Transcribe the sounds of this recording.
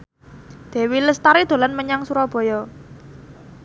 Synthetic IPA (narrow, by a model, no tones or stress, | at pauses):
d̪̥ɛ̤wiləst̪aɾid̪̥o̤lanməɲaŋsuɾɔb̥ɔ̤jɔ